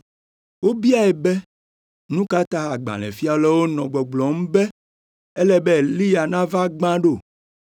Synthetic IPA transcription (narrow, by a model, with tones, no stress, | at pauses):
wo˦bi˦a˦ɛ˨bɛ˦ | nũ˦ka˦t̪a˦a˨ɡ͡bã̰˨lɛ̰˨fi˦a˨lɛ˦wo˦nɔ̃˨ɡ͡bɔ˨ɡ͡blɔ˨m̩̃˦bɛ˦ | ɛ˦lɛ˦bɛ˦˨li˦ja˨nã˦va˦ɡ͡bã˦ɖo˦˨